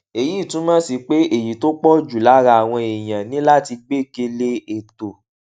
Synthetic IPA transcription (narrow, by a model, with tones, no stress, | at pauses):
e˨ji˦˨tũ˨˦mãː˦si˧k͡pe˦e˨ji˨to˦k͡pɔ˦˨d͡ʒu˨la˨˦ɾa˧˨a˨w̃ɔ̃˧e˨j̃ã˨nĩ˨˦la˦˨ti˧ɡ͡be˦˨ke˧le˦e˨to˨